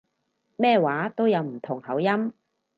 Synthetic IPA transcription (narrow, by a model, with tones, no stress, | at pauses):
mɛː˥˧waː˨˥t̪o˥wjɐ˨˧wm̩˨˩t̪ʰʊ˨˩ŋhɐ˨˥wjɐ˥m